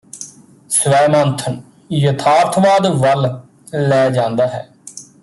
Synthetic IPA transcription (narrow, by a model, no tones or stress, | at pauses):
sʋɛːmãːnt̪ʰən | jət̪ʰaːɾt̪ʰʋaːd̪ʋəl | lɛːd͡ʒãːnd̪aːɦɛː